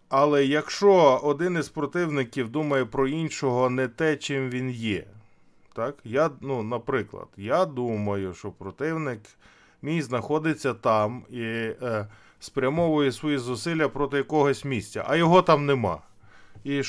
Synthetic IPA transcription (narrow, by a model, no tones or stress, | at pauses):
ɐlˠɛjɐkʃt͡ʃɔɔd̪ɪnɪzpɾɔt̪ɪwnɪkʲiwd̪umɐjɛpɾɔinʃɔɦɔnɛt̪ɛt͡ʃɪmʋʲinjɛ | t̪ɑkjanunɐpɾɪklˠɐ̰d̪̥jad̪umɐjʊʃt͡ʃɔpɾɔt̪ɪwnɪk | mʲijzznɐxɔd̪ɪt͡sʲːɐt̪ɑmi | spɾʲɐmɔʋʊjɛsʋɔjizʊsɪlʲjɐpɾɔt̪ɪjɐkɔɦɔsʲmʲisʲtʲːɐ̰ʔɐjɔɦɔt̪ɑmnemɑ̰ | i